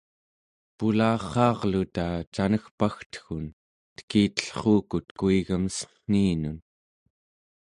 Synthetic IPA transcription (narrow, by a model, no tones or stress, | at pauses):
pulɑːχɑːʁlut̪at͡ʃanəxpaxt̪ə̥xun | t̪ə̥kiːt̪ə̥ɬχuːkut̪kuiɣəməsə̥n̥iːnun